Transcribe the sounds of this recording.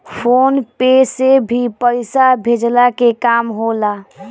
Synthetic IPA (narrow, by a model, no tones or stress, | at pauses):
pʰonpesebʱipəɪsabʱed͡ʒlakekamɦola